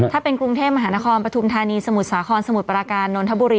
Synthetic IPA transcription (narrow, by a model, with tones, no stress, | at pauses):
t̪ʰaː˥˩pe˧nkɾu˧ŋt̪ʰeː˥˩p̚ma˧ɦaː˩˦na˦˥kʰɔː˧npɾa˧t̪ʰu˧mt̪ʰaː˧niː˧sa˧mu˨˩t̪̚saː˩˦kʰɔː˧nsa˧mu˨˩t̪̚pɾaː˧kaː˧nːoː˧nt̪ʰa˦˥buː˧ɾiː˧